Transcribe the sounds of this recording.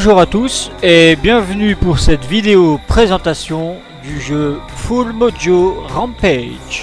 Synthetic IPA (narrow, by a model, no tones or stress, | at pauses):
ʒuʁat̪usebjɛ̃vnypuʁsɛt̪vid̪eopχezɑ̃t̪asjɔ̃ | d̪yʒø | fulmod̪joʁɑ̃pɛd͡ʒ